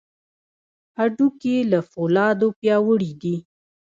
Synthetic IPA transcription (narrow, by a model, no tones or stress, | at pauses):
aɖukelafolɑd̪opjɑwəɽid̪i